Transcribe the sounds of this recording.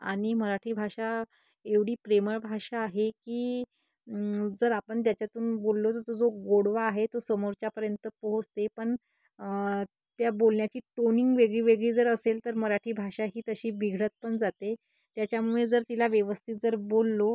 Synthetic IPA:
a̰ɽ̃iməɾaʈʰiːbʱaʂa | eʋɽiːpɾeməɭbʱaʂaːɦekiː | d͡zəɾapəɳt̪jat͡ɕjat̪uːnbolːot̪əɾt̪od͡zoɡoɽʋaːɦet̪osəmoɾt͡ɕapəɾjənt̪əpəɦod͡zt̪epəɳ | t̪jabolɳjat͡ɕiːʈoniŋɡʋeɡɭiːʋeɡɭiːd͡zəɾəselt̪əɾməɾaʈʰiːbʱaʂaɦiːt̪əɕiːbiɡʱɽət̪̚pəɳd͡zat̪e | t̪jat͡ɕjamued͡zəɾt̪ilaʋjeʋəst̪ʰiːt̪̚d͡zəɾbolːo

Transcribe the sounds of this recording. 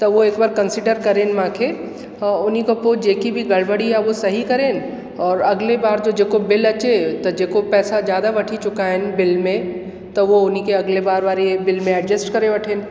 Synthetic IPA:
t̪ɐʋoeːkbaːɾkɐnsɪɖəɾkɐɾẽːnmãːkʰe | ʊnikopoːd͡ʒeːkibʱiɡɐlbəɽiɦɛʋosɐɦikɐɾẽːn | ɔːɾɐɡlebaːɾd͡ʒoːd͡ʒeːkobɪlɐt͡ʃet̪ɐd͡ʒeːkopɛːsazjaːd̪aʋɐʈʰit͡ʃʊkaɦɛnbɪlmẽ | t̪ɐʋoʊnikeɐɡlebaːɾʋaːɾebɪlmẽɛɖd͡ʒəsʈkɐɾeʋɐʈʰeːn

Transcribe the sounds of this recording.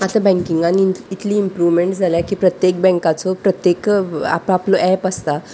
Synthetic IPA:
at̪abɛ̃ŋkiŋɡaniit̪liːmpɾuʋmeɳʈd͡zʱaljakiːpɾət̪jek̚bɛ̃ŋkat͡sopɾət̪jeka̰paploʔɛpəst̪a

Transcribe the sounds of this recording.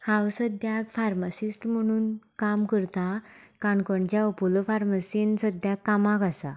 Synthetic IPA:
hãwsəd̪ʱjakfaɾməsisʈm̤əɽ̃uːnkamkəɾt̪akaɳkəɳt͡ɕjaɔpɔlofaɾməsinsəd̪ʱjakːamakasa̰

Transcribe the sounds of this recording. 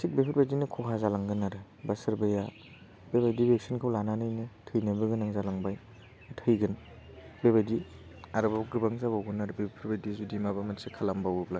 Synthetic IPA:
sik̚bepʰɯɾbajdinɯkʰɔkʰazalaŋɡɯnːaɾɯ | basɯɾbɯja | beβajdibek̚sinkʰawlananɯjnɯtʰɯjnabɯɡɯnaŋzalaŋbaj | tʰɯjɡɯn | beβajdiaɾɯbaɡɾɯbaŋzaβawɡɯnaɾɯbepʰɯɾbajdizudimabamatsikʰalambawɯbla

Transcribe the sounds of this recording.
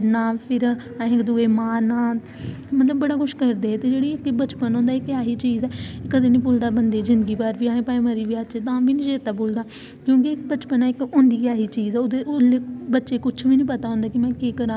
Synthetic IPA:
naːpʰɪɾ | ɪ̃kd̪ʊɡeːmãːnãː | mət̪ləbːəɽaːkʰʊʃkəɾd̪eːɛːt̪eːd͡ʒeːɽiːɪkbət͡ʃpənɦõːnd̪aːɪkjaːɦiːt͡ʃiːzɛːkəd̪eːnĩːpʊːld̪aːbənd̪eːzɪ̃nd̪əɡiːpaɾʋiːãːẽːpaːẽːmaːɾiːʋiaːt͡ʃet̪ãːbiːnĩːd͡ʒeːɾt̪aːboːld̪aː | kjõːkɪkbət͡ʃpənɛːɪkʊ̃nd̪iːkɪjaːɦiːt͡ʃiːzɛːod̪eʔʊleːbətːʃeːkʊt͡ʃʰʋiːnĩːpət̪aːɦõnd̪aːkɪmɛ̃ːkeːkəɾã

